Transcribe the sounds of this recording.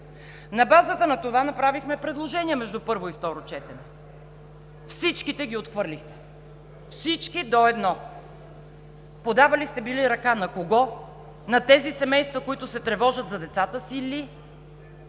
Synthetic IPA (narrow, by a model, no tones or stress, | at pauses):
nɐbazət̪ənɐt̪ovanɐpɾavixmɛpɾɛd̪lˠoʒɛniɛmɛʒd̪upɤɾvoift̪ɔɾot͡ʃɛt̪ɛnɛ | fsit͡ʃkit̪ɛɡʲiot̪xvɤɾlixt̪ɛ̥ | fsit͡ʃkid̪oɛd̪nɔ | pod̪avɐlist̪ɛbiliɾɐkanɐkoɡɔ | nɐt̪ɛzisɛmɛjst̪vɐkoit̪ʊsɛt̪ɾɛvɔʒət̪zɐd̪ɛt̪sat̪əsili